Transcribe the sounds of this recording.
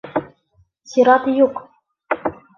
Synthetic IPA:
sʲiɾɑt̪juk

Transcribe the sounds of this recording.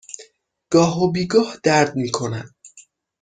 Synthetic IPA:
ɡ̥ɒːɦobiːɡɒːhd̪̥æɾd̪̚miːkʰo̞næn̚

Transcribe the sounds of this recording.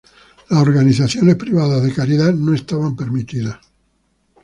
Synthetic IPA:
lasoɾɣaniθaθjonespɾiβaðazðekaɾiðanõest̪aβampeɾmit̪iðas

